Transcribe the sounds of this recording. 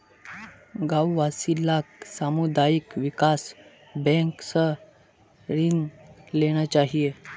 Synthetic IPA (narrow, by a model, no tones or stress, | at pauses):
ɡawʋasilaksamud̪ajikʋikas | bɛ̃ŋksə | ɾinleɽ̃jat͡ɕaɦije